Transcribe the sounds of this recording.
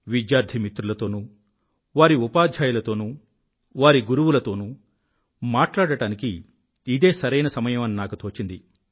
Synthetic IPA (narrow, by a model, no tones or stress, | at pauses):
ʋid̪jaːɾd̪ʱimit̪ɾulɐt̪o̞ːnuː | ʋaːɾiupaːd̪ʱjaːjulɐt̪o̞ːnuː | ʋaːɾiɡuɾuʋulɐt̪o̞ːnuː | maːʈlaːɽɐʈaːnikiː | d̪e̞ːsɐɾɐjnɐsɐmɐjɐmɐninaːkut̪ʰoːt͡ʃind̪i